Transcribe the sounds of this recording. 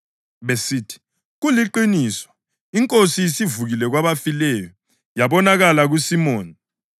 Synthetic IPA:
ɓesiːtʰi̥ | ɣuliǃiniːswɔ̥ | iŋkʼosisivuɣilɛɣ̬waβafilɛjɔ | jaɓɔnaɣalaɣ̬usimoːni

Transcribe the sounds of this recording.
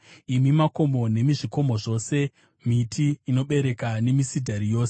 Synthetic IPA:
imimako̞mo̞ne̞miʐiko̞mo̞ʐo̞se̞ | mitʰiːno̞ɓe̞ɾe̞kane̞misidʱaɾijo̞ːse

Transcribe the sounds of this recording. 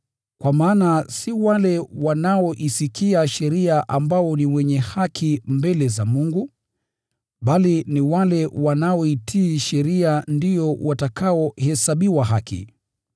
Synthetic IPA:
kwamaːnasiwalɛwanaɔʔisikʰiaʃɛɾiaʔambaɔniwɛɲɛhakʰimbɛlɛzamuŋɡu | ɓaliniwalɛwanaɔitʰiːʃɛɾiandijɔwʔatakaɔhɛsaɓiwaɦakḭ

